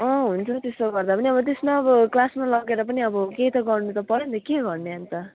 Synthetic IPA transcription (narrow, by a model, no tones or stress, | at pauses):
ʌɦunt͡sʰʌt̪est̪oɡʌrd̪apʌniʌbʌt̪esmaʌbʌklasmalʌɡeɾʌpʌniʌbʌkeɦit̪ʌɡʌrnut̪ʌpʌɾjent̪ʌkeɡʌrneant̪ʌ